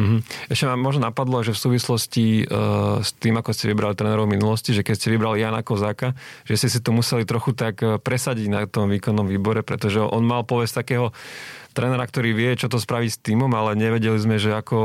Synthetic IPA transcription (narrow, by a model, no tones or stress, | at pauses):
m̩ɦm̩ɛʃcɛmamːɔʒnɔnapad̪lɔʒɛfsuːʋislɔsci | st̪iːmakɔscɛʋibɾalit̪ɾɛnɛɾɔʊminulɔsciʒɛkɛcscɛʋibɾalijaːnakɔzaːka | ʒ̥ɛscɛsit̪ɔmusɛlit̪ɾɔxut̪akpɾɛsaɟiɟnat̪ɔmʋiːkɔnːɔmʋiːbɔɾɛpɾɛ̰t̪ɔʒɛʔɔ̰nmalpɔʋɛst̪akɛːɦɔt̪ɾɛnɛɾak̚t̪ɔɾiːʋɪɛt͡ʃɔt̪ɔspɾaʋicst̪iːmɔmalɛɲɛʋɛɟɛlizmɛʒɛakɔ